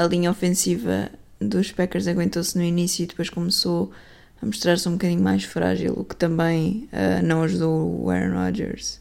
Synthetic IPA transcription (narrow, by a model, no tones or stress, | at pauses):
ɐlˠiɲɐɔfẽsivɐ̰ | ðuʃpɛkɛɾzɐɣwẽnt̪osnuinisjuiðɨpojʃkumso | ɐmuʃt̪ɾaɾsũbkɐðiɲumajʃfɾa̰ʒḭlˠṵkt̪ɐ̃mbɐ̃j̃ɛ̰nɐ̃w̃ɐʒuðoɛ̰ɾɐ̰nɾɔ̰ʒɛ̰ɾʃ